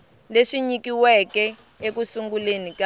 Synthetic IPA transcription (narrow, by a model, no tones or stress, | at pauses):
leʂiɲikiwɛkɛ | ekusuŋɡulenika